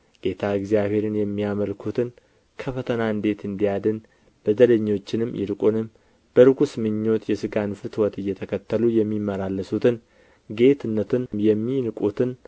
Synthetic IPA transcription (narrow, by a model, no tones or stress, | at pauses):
ɡ̥e̞t̪ʰaɨɡzijaβhe̞ɾɨnjɛmːiaməlkʰut̪ʰɨn | kʰəfət̪ʰənaɨnd̪e̞t̪ɨnd̪ijad̪ɨn | b̥əd̪ələɲːo̞t͡ʃːɪnɨmːjɪ̰ɾɨkʼunɨm | b̥əɾɨɡusmɨɲːo̞t̪jɛsɨɡanfɨt̪ʰwɔt̪ɨjːɛt̪ʰəkʰət̪ːəlujɛmːimːəlalːəsut̪ʰɨn | ɡe̞t̪ʰɨnːət̪ʰɨnjɛmːinɨkʼut̪ʰɨn